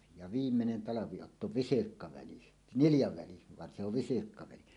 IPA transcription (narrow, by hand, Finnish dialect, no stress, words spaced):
jɑ ʋiːmːenen tɑlɑʋiotːo ʋisirkːɑʋæli niljɑʋæli ʋɑn se oʋ ʋisirkːɑʋæli